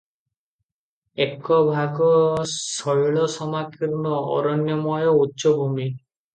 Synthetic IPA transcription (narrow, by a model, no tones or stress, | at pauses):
ekːɔbʱaɡɔsɔjɭɔsɔmakiɾnɔɔ̰ɾɔnjɔmɔjɔutːʃɔbʱumi